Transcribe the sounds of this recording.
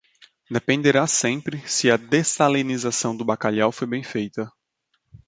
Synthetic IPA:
d̪epẽnd̪eɾasẽmpɾɪsɪɐd̪esalenizasɐ̃w̃d̪ʊbakaʎawfojbẽj̃fejt̪ɐ

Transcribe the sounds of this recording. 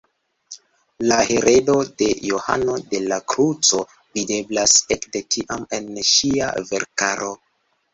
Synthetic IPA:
laheɾʔe̞do̞de̞joha̰no̞de̞lakɾut͡so̞ | vide̞blasekde̞tʰiʔame̞nʃia̰ve̞̰ɾkaɾʔo̞

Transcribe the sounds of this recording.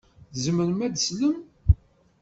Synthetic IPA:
zməɾmæd̪əsləm

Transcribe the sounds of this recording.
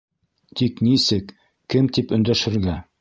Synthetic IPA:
t̪iknisɘkː | ɘmt̪ipɵ̆nd̪æʃɘ̆ɾɡæ

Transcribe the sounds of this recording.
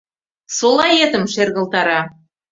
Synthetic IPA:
solˠɑjet̪ə̆mʃerɣə̆lˠt̪ɑɾɑ

